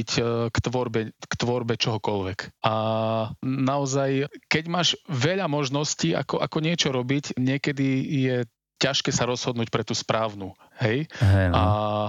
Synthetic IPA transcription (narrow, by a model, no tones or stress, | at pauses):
ckt̪ʋɔɾbɛkt̪ʋɔɾbɛt͡ʃɔɦɔkɔʎʋɛkʔa | naɔzajkɛɟmaːʒʋɛʎamɔʒnɔscia̰kɔʔakɔɲɪɛt͡ʃɔɾɔbicɲɪɛkɛd̪ijɛ | caʃkɛːsaɾɔz̥ɦɔd̪nuːc̚pɾɛt̪uːspɾaːʊnu | hɛjɦɛa